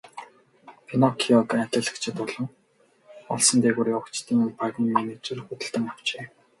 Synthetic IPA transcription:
pʰinɔkʰiɔt̪at̪ʲə̆ɮə̆kt͡ɕʰɪ̆t̪ʊɮɞ̆ŋ | ɔ̰ɮsə̆nt̪eːɣuːɾiːʊkt͡ɕt̪iːŋʊnpaɣmnmeːnet͡suɾɘ̆xut̪ɘ̆ɮt̪ɘ̆ŋaw̥t͡ɕeː

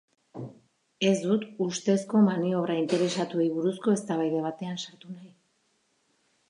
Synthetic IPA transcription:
e̞zd̪ut̪ust̪e̞sko̞manio̞βɾaint̪e̞ɾe̞sat̪ue̞jβuɾusko̞e̞st̪aβajðe̞β̞at̪e̞ansaɾt̪unaj

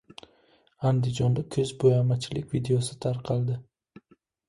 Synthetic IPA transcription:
and̪ɪd͡ʒɒnd̪akʲʰɵzbojamat͡ʃʰɪlɪkʲvid̪eosɪt̪ʰaɾqʰɑlˠd̪ɪ

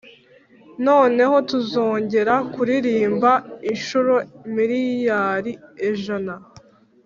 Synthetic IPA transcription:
no̞ːne̞ɦo̞tuzo̞ːɲɟe̞ɾakuɾiɾiːmbainʃuɾomiɾijaːɾieʒana

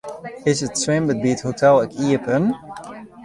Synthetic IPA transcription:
ɪzətswɪ̃mbət̚bithotɛlˠəkiəpən

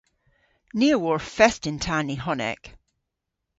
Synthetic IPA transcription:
niəwɔɹfɛstɪ̃ntʰaniɦɔnɛ̰k

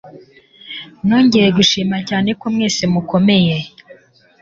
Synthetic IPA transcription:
noːɲɟejeɡuʃiːmacaːne̞komŋeːsemuko̞me̞je

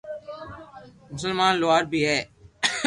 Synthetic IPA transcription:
mʊsəlmaːnloaːɾbʱiːɦɛː

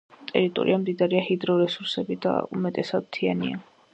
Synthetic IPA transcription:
t̪ʼɛɾit̪ʼɔ̰ɾiamd̪id̪aɾiahid̪ɾɔɾɛsuɾsɛbid̪a̰ṵmɛt̪ʼɛsad̪̚t̪ʰianḭa̰

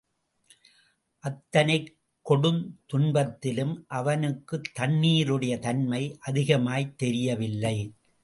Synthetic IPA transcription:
ʔɐt̪ːɐnɐɪ | kːɔɽɯmt̪ʊɳbɐt̪ːɪlɯmʔɐʋɐnɯkːɯt̪ːɐnːiːɾɯɽɐjɐt̪ɐnmɐɪʔɐðɪɣɐmaːjt̪ːɛɾɪjɐʋɪlːɐɪ

